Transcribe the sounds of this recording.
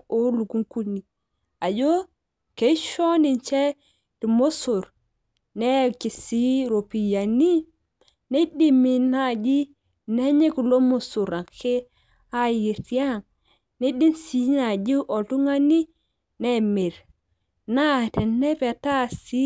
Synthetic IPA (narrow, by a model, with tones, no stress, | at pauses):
o˦lu˨ku˦ŋku˦ni˨ | a˨d͡ʒo˦ | ke˨˦ʃo˦ni˨ɲt͡ʃe˦ | ti˨mo˦so˨ɾ | ne˦ki˨si˦ɾo˨pi˨ja˨ni˦ | ne˦di˦mi˨na˦d͡ʒi˦ | ne˦ɲe˦ku˨lo˦mo˦su˨ɾa˨kʰe˦ | a˦ji˨ɾti˦a˦ŋ | ne˦di˦nsi˦na˨d͡ʒi˦ʔo˨tu˦ŋa˦ni˦ | ne˦me˨ɾ | na˦te˨ne˦pe˨ta˦si˦